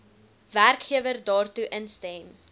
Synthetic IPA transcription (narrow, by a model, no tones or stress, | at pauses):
værkχiəvərdɑːrtuʔənstɛm